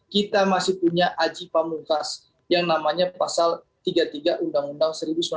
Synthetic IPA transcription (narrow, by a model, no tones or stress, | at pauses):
kit̪amasɪhpuɲaʔad͡ʒipamukas | jaŋnamaɲapasalt̪iɡat̪iɡaʔundaŋundaŋsəɾibusm